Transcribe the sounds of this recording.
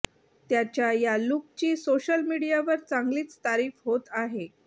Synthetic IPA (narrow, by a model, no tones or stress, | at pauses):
t̪jat͡ɕjajaluk̚t͡ɕiːsoɕəlmiɽijaʋəɾt͡sãŋɡliːt͡st̪aɾiːfɦot̪aɦe